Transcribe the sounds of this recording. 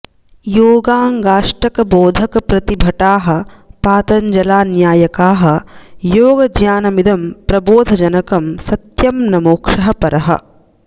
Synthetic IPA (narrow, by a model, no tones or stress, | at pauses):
joːɡaːŋɡaːʂʈɐkɐboːd̪ʱɐkɐpɾɐt̪ibʱɐʈaːɦɐ̆paːt̪ɐɲd͡ʒɐlaːnjaːjɐkaːɦɐjoːɡɐd͡ʒjaːnɐmid̪ʱɐmpɾɐboːd̪ʱɐd͡ʒɐnɐkɐmsɐt̪jɐmnɐmoːkʂɐɦɐpɐɾɐɦɐ̰